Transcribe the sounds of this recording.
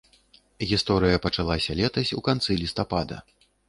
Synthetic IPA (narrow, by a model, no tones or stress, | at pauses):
ɣʲist̪ɔɾɨjɐpɐt͡ʂalˠasʲɐlʲɛt̪ɐsʲukant̪sɨlʲist̪apad̪ɐ̰